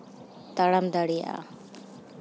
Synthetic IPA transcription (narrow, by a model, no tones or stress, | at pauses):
t̪aɽamd̪aɽija̰ʔa̰